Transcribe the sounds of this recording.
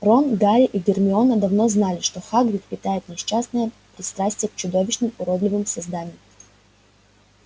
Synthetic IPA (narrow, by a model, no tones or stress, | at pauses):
ronɡaɾʲɪʔiɡʲɪrmʲɪo̞nəd̪ɐvno̞znalʲɪʂt̪oxaɡɾʲɪt̪̚pʲɪt̪ajɪt̪nʲɪɕasnəjə | pɾʲɪst̪ɾasʲtʲɪjəkt͡ɕʊd̪o̞vʲɪɕnɨmʊɾod̪lʲɪvɨmsɐzd̪anʲɪjɪ